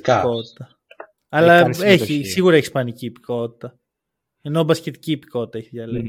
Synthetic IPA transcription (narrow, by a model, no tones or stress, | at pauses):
kko̞t̪i̥t̪ɐ | ɐlɐeçisiɣuɾɐeçi̥spɐniciːpi̥ko̞t̪i̥t̪ɐ | eno̞bɐscet̪i̥ciːpi̥ko̞t̪i̥t̪ɐeçiʝɐlen